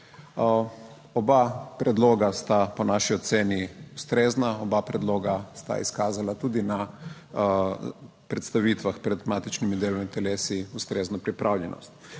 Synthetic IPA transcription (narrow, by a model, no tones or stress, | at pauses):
obapɾɛd̪loːɡast̪aponaːʃiot̪seːniust̪ɾeːznaobapɾɛd̪loːɡast̪a̰ḭskaːzalat̪uːd̪ina | pɾɛt̪st̪aʋiːt̪ʋaxpɾɛd̪maːt̪it͡ʃnimid̪eːlomit̪ɛleːsiust̪ɾeːznɔpɾipɾʔaːwʎʲɛnʔɔ̰st̪